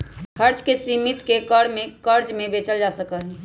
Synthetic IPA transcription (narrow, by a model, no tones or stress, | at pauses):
kʰəɾt͡ʃkesimit̪kekəɽmẽkəɾd͡ʒmẽbet͡ʃəld͡ʒasəkəɦɛ